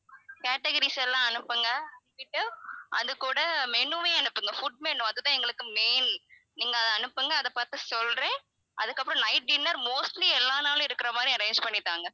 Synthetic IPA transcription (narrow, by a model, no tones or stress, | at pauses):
kaːʈɛɡɐɾisɛlːãːɐnɯpːɯŋɡɐɐnɯpɪʈːɯʔɐ̰ðɯkːuːɽɐmɛɳɯʋeːɛnɯpːɯŋɡɐfʊɖ̚mɛɳːɯ̃ɐðɯt̪ãːɛŋɡɐɭɯkːɯmeːn | niːŋɡɐːðɐɐnɯpːɯŋɡɐːðɐpaːɾt̪ɯsɔlɾẽː | ɐðɯkːɐpːɯɾɔ̃nɐɪʈ̚ɖɪnːɐɾmoːsʈliɛlːaːnaːlʊ̃ɪɾɯkːɪɾɐmaːd̪ɾiɐɾɐɪnd͡ʒpɐɳːɪt̪ːaːŋɡɐ